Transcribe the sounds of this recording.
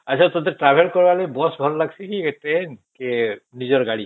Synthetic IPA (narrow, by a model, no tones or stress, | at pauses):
asʰat̪ɔd̪ɛʈɹabʱɛlkɔɹbalɔjbɔsbʱɔllaɡsikitenkenizɔɹɡaɹi